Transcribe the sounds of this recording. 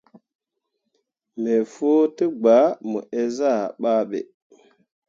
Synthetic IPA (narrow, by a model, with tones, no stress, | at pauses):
me˨fo˦tə˦ɡ͡ba˨˦mṵ˨ʔe˦za˦˨ɓa˦ɓḛ˨